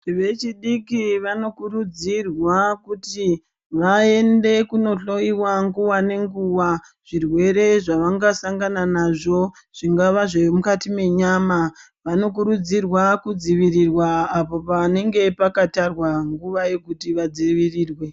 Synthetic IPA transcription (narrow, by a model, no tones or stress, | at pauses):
ʋe̞t͡ʃiɗikiʋano̞kurud͡zirwakuti | ʋae̞nde̞kuno̞ɬo̞iwaŋɡuwane̞ŋɡuwa | ʐ̥irwe̞ɾe̞ʐaʋaŋɡasaŋɡananaʐo̞ | ʐ̥iŋɡaʋaʐemukatime̞ɲama | ʋano̞k̬uɾud͡zirwakud͡ziʋirirwaːpo̞pane̞ŋɡe̞pakatarwaŋɡuʋaje̞kutiʋad͡ziʋiriːrwe̞